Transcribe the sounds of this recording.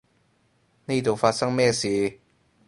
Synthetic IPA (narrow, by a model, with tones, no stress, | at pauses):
ne˥˩t̪o˨wfaː˧t̚sɐ˥ŋmɛː˥˩siː˨˥